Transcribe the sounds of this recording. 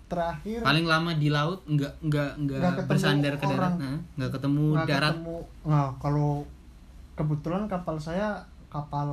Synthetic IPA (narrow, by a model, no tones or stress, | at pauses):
t̪əɾahɪrpalɪŋlamadilaʊt̪̚ŋɡaʔŋɡaʔŋɡaɡaəbərsandɛrkədaɾaŋnaŋɡaʔkət̪əmudaɾat̪muŋɡakalo | kəbət̪ulankapalsaja | kapal